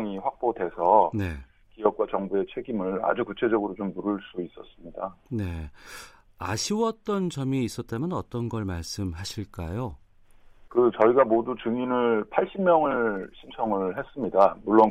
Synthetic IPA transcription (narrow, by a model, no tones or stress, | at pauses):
ŋiɸwak̚p͈ode̞sʰʌne̞ | kijʌp̚k͈wat͡ɕʌŋbue̞t͡ɕʰwe̞ɡimɯɭa̰d͡ʑukut͡ɕʰe̞d͡ʑʌɡɯɾot͡ɕomːuɾɯɭs͈uis͈ʌs͈ɯmɲidane̞ | a̰ɕʰiwʌt̚t͈ʌnt͡ɕʌmiːs͈ʌt̚t͈amjʌnʌt͈ʌnɡʌɭmaɭs͈ɯmɦaɕʰiɭk͈a̰jo | kɯt͡ɕʌiɡamodut͡ɕuŋinɯɭpʰaɭɕ͈immjʌŋɯɭɕʰimsʰʌŋɯɭɦe̞s͈ɯmɲidamuɭːon